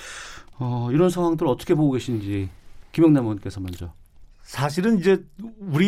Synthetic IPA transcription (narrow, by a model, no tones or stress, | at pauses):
ʌiɾʌnsʰaŋwaŋdɯɾɯɾʌt͈ʌ̥kʰe̞poɡoɡe̞ɕʰind͡ʑikimjʌŋnamunk͈e̞sʰʌmand͡ʑa | sʰaɕʰiɾɯnid͡ʑe̞uɾi